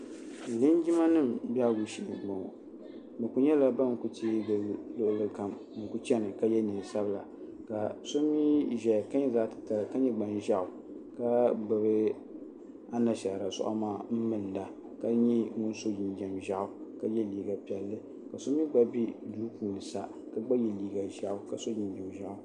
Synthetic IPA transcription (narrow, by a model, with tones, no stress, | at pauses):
li˦nd͡ʒi˦ma˦nɨ˦mbi˦a˦ɡu˨ʃi˨ʔma˨ | mɨ˨ku˨ɲɛ˦la˦ba˦n˨ku˦ti˦ɡɨ˨˦lo˦ʔʊ˦˨lɨ˦ka˨m | mɨ˨ku˦t͡ʃɛ˦nɨ˨ka˦jɛ˦nɨ˨sa˦bɨ˦˨la̰˨ | ka˨so˦mi˦ʒɛ˨ka˦ɲɛ˦zaː˦tɨ̥˨ta˨lka˦ɲɛ˦ɡ͡ba˨nʒa˦˨ʔʊ˨ | ka˦bɨ˨bɨ˦ | a˦na˨ʃa˨ɾa˨sɔ̰˦ʔa̰˦maː˦˨m̩˦mɨ˨n˨da˨ | ka˦ɲɛ˦ŋʊ˦nso˦ji˨nd͡ʒɛ˨mʒa˦ʔʊ˨ka˦jɛ˦liː˨ɡa˨pɛ˨lːɨ˦ | ka˨so˦mi˦ɡ͡ba˦bi˦luː˦puː˨nɨ˨sa˨ | ka˦ɡ͡ba˦jɛ˨liː˨ɡa˨ʒa˦˨ʔʊ˦ka˨so˦ji˨n˨jɛ˨mʒa˦ʔʊ˨